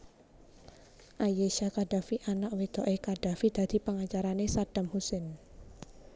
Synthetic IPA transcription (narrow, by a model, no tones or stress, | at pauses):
ʔajeʃakaɖ̥afiʔanaʔwid̪̥ɔ̤ʔekaɖ̥afid̪̥ä̤d̪̥i̤pəŋat͡ʃaɾanesad̥amhusen